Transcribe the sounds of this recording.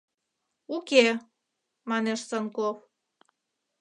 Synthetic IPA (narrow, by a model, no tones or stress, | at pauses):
uke | mɑneʃsənkof